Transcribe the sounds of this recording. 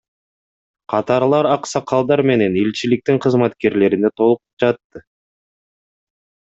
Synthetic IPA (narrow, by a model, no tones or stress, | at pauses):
qʰɑt̪ɑɾlˠɑɾɑqsɑqʰɑlˠd̪ɑɾme̞ne̞nilt͡ʃilik̚t̪iŋqʰɯzmɑt̪ke̞ɾle̞ɾine̞t̪ʰo̞lˠupd͡ʒɑt̪ːɯ